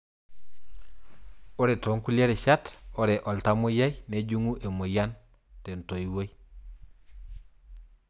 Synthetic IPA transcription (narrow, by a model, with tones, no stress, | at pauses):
o˦ɾe˨to˨˦ŋku˦la˦ɾe˨ʃa˦to˦ɾe˨ʔɔ˨lta˦mo˦ja˦jne˦d͡ʒu˦ŋu˦ʔe˨mo˨ja˦n | te˨n˨to˨i˨wo˦j